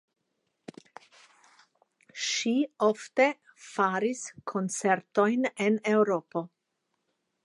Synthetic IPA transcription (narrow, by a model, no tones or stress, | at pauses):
ʃiofte̞ | faɾiskʰo̞nt͡se̞ɾto̞jnenewɾo̞po̞